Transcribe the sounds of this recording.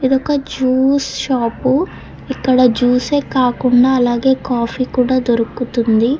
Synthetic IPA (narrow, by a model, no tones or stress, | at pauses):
id̪ɔkɐd͡ʒuːsʃaːpu | ikːɐɽɐd͡ʒuːse̞ːkaːkuɳɖaːɐlaːɡe̞ːkaːpʰiːkuːɽaːd̪oɾukːut̪und̪i